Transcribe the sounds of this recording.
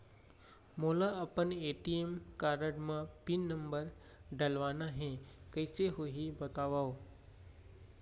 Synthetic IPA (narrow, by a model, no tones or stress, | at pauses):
moːlaɐpəneːʈiemkaːɾəɽmãpinːəmbəɾ | ɖəlʋaːnaɦẽkəɪseɦoːɦibɐt̪aːʋaːo